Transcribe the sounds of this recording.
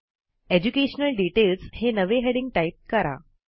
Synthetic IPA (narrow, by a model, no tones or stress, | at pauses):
ed͡ʑukeɕənəlɖiʈelshenəʋeɦeɽiŋɡ̚ʈaip̚kəɾa̰